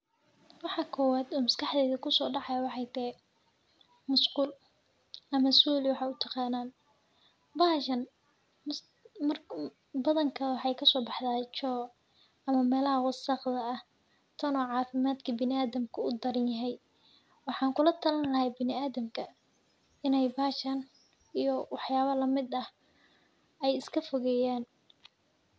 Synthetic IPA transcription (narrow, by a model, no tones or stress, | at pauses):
wɑħɑkʰɔːwaːd̪ɔːmɐskʰɑħðɛːðɐkʰʊsɔːɖɑʕɑjɐwɑħɑjt̪ʰɛ | mʊskuːl | ʔɐmɐsuːlɪwɑħɑjʊt̪ʰɑqɑːnaːn | baʃɐn | mɐr | bɐðɐŋkʰɐwɑħɑjkʰɐsɔːbɑħd̪aːt͡ʃɔː | ɐmɐmɛːlɐhɐwɑsɑqd̪ɐːh | t̪ʰɐnɔːʕɑːfɪmaːd̪kʰɐbɪnɪaːðɐmkʰʊʊd̪ɐɾɐnjɐɦɛj | wɑħɑːŋkʰʊlɐt̪ʰɐlɐnlɐɦɛjbɪnɪaːðɐmkʰɐ | ɪnɛjbaːʃɐn | ijɔwɑħjaːβɐlɐmɪd̪ɐh | ɛjɪskʰɐfɔɣɛːjaːn